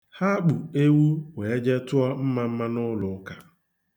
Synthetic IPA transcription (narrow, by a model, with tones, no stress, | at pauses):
ha˦k͡pu˨e˦wu˦we˨e˦d͡ʒe˦tʊ˦ɔ˦m̩˦ma˨m̩˦ma˦nʊ˦lʊ˨˦ka˨